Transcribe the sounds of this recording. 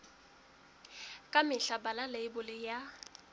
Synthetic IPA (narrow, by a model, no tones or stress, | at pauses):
kʼamɪɬabalaleɪbʊlɪja